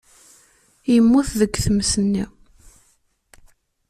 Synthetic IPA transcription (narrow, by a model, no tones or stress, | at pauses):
jəmːuθðəɡːθəmsənːi